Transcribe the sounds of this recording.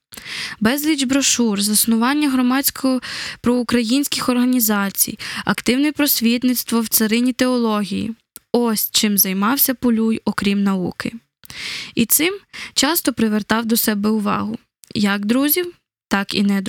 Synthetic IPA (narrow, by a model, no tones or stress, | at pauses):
bɛzlʲid͡ʒbɾɔʃurzɐsnʊʋɑnʲːɐɦɾɔmɑt͡sʲkɔpɾɔʊkɾɐjinʲsʲkʲɪxɔrɦɐnʲizɑt͡sʲḭjɐ̰kt̪ɪwnɪpɾɔsʲʋʲit̪nɪt̪st̪ʋɔwt̪sɐɾɪnʲit̪eɔlˠɔɦʲijḭ | ɔsʲt͡ʃɪmzɐjmɑwsʲɐpɔlʲujɔkɾʲimnɐukɪ | it̪sɪmt͡ʃɑst̪ɔpɾɪʋert̪ɑwd̪ɔsɛbɛʊʋɑ̰ɦʊ | jɐɡd̪ɾuzʲiw | t̪ɑkḭnɛd̪